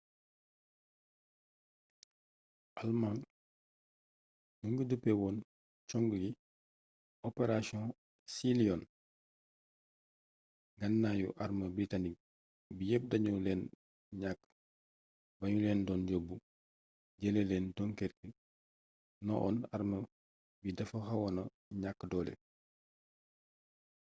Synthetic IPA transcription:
ʔalmaŋ | nuŋɡudəpːɛwɔːn | t͡ʃɔŋɡɡi | ɔpeɾasiɔ̃ | siliɔn | ɡɐnːajṵʔaɾməbɾitanik̚ | bijɛp̚dɐɲulɛːn | ɲakː | bɐɲulɛːndɔːnɟobːu | ɟelelɛːndɔŋkɛrkə | nɔ̰ʔɔ̰naɾmɐ | bidɐfɐxɐwɔnɐ | ɲakːdɔːlɛ̰

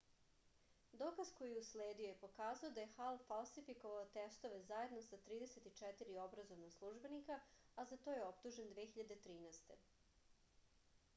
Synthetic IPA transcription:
d̪o̞ːkazko̞jiusleːd̪io̞je̞po̞kaːzaod̪aje̞xalfalˠsifiko̞ʋaot̪est̪o̞ʋezaje̞d̪no̞sat̪ɾiːd̪e̞set̪it͡ʃɛt̪iɾio̞bɾazo̞ʋnaslˠuʒbe̞nika | azat̪o̞jeo̞pt̪uʒend̪ʋexiʎad̪e̞t̪ɾiːnɛːst̪e̞

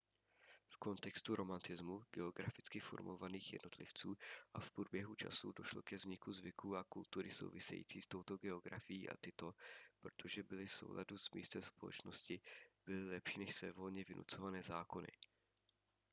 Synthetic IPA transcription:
fko̞nt̪ɛkst̪uɾo̞mant̪ɪzmuɡɛo̞ɡɾafɪt͡skɪfo̞̰ɾmovaniːxjɛ̰dno̞t̪lɪft͡suːʔafpɾubjɛɦut͡ʃa̰sudo̞ʃlokɛvzɲɪkuzvɪkuːʔakult̪uɾɪso̞̰wvɪsɛ̰jḭːt͡siːst̪o̞wt̪o̞ɡɛo̞ɡɾa̰fɪjiːʔa̰t̪ɪt̪o̞pɾot̪ʰo̞ʒɛbɪlɪfso̞̰wla̰duzmḭːst̪ɛmspolɛ̰t͡ʃno̞scɪb̥ɪlɪlɛpʃiːnɛʃsvɛ̰ːvo̞lɲɛvɪnṵt͡so̞vanɛːzaːko̞nɪ̰

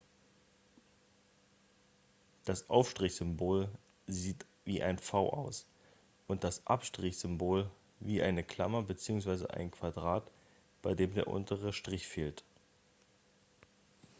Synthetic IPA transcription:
d̥asʔaʊfʃtʁ̥ɪçz̥ʏmboːl | ziːt | viːʔaɪnfaʊʔaʊs | ʔʊnt̚d̥asʔapʃtʁ̥ɪçz̥ʏmboːl | viːʔaɪnəkʰl̥a̰mɐbət͡siːʊŋsv̥aɪzə̰ʔa̰ɪnkʰv̥adʁaːt | b̥aɪdeːmdeːɐʔʊ̰ntʰəʁəʃtʁ̥ɪçfeːlt

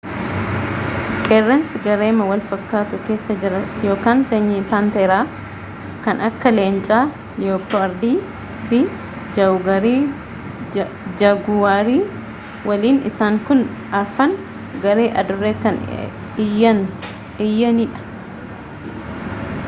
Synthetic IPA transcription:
kʼerːɛnsɡɐɾe̞ːmɐwɐlfɐkːaːt̪ʊke̞ːsːɐd͡ʒɪɾɐjo̞ːkaːnseːɲːiːpaːnt̪eːɾaː | kɐnʔɐkːɐleːnt͡ʃʼaː | joːpːoɐɾd̪iː | fɪ | d͡ʒɐʊɡɐɾiː | d͡ʒɐɡʊwaːɾiː | wʔɐliːnɪ̰saːŋkʊn | ɐɾfɐn | ɡɐɾeːʔɐd̪ʊrːeːkɐn | jɐn | ɪjːɐniːᶑɐ̥

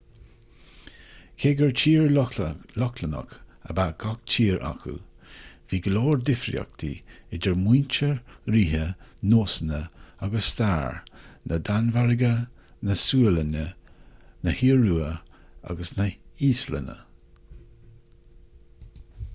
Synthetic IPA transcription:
kʰeːɡəɹt͡ʃʰiːɹlɔklənə̰kəbaːɡʰɔk̚t͡ʃʰiːɹʔa̰kʰṵ | v̥iːɡəloːɹd̪ɪfɾḭɔ̰k̚t̪ʰḭɪdəɹmwiːnt͡ʃəɹɾiːɦənoːsənəaɡəsːt̪aːɹnʔəd̪anvaɹɪɡə | nəsuələnə | nəhiːəɹuːə | a̰ɡəsnəiːslə̰nə̰

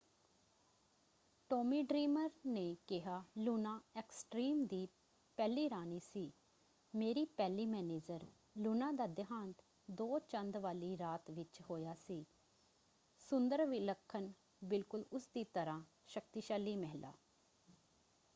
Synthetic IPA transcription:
ʈoːmiːɖɾiːməɾneːkɪɦaːluːnãːɛksʈɾiːmd̪iː | pɛːliːɾaːniːsiː | meːɾiːpɛːliːmɛːneːd͡ʒəɾ | luːnãːd̪aːd̪ɪɦãːnt̪ | d̪oːt͡ʃə̃nd̪ʋaːliːɾaːt̪ʋɪt͡ʃhoːjaːsiː | sʊnd̪əɾʋiləkʰːən | bɪlkʊlʊsd̪iːt̪əɾãː | ʃək̚t̪iʃaːliːmɛɦla̰ː

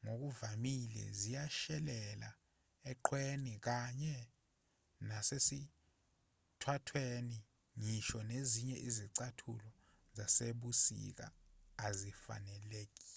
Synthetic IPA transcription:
ŋok̬uvamilɛ̰zijaʃɛlɛla̰ | ɛǃʰwenik̬aɲɛ | nasesi | tʰwatʰweni | ŋiʃɔneziɲɛʔiziǀatʰṵlɔ | zaseɓusḭk̬a̰ːzifa̰nɛlek̬ʼi̥ːɛ

